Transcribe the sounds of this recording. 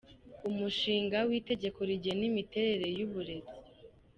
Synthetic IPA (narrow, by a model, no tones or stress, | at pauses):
umuʃiːŋɡawiːte̞ɟe̞kʰo̞ɾiɟenimite̞ɾe̞ɾe̞juβuɾe̞βi